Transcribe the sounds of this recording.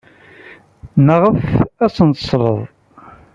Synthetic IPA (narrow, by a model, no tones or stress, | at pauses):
nəʁəfæsənt̪ə̥sɾˤə̰ðˤ